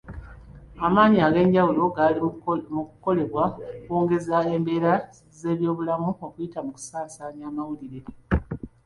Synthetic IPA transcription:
amaːɲiaɡe̞ːɲɟawulo̞ɡalimukuko̞le̞βwakwoːŋɡe̞zae̞mbe̞ːɾa | ze̞ːβjo̞ːβulamuo̞kujitamuku̥saːnsaːɲaːmawuliɾe̞

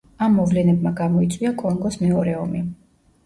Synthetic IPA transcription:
amːɔvlɛnɛbmaɡamɔit̪sʼwiakʼɔŋɡɔsmɛɔɾɛɔmi

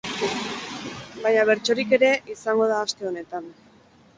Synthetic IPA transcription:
bajɲaβ̞e̞ɾt͡ʃo̞ɾike̞ɾe̞ʔisaŋɡo̞ð̞aːst̪e̞o̞ne̞t̪an

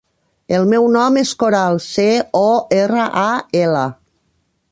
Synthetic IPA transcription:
elˠmɛwnɔmeskoɾalˠseɔerəʔaela

